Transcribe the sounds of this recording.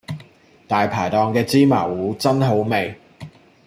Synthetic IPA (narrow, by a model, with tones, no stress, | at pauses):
t̪aː˨jpʰaː˨˩jt̪ɔː˨ŋkɛː˧t͡siː˥ma̰ː˨˩wuː˨˥t͡sɐ˥nɦo˨˥wme˨j